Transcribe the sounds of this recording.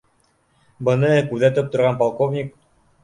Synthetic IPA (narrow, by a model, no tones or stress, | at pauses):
bɤ̆nɤkʉðæt̪ɘp̚t̪ŏɾʁɑnpɑlˠkovnʲik̚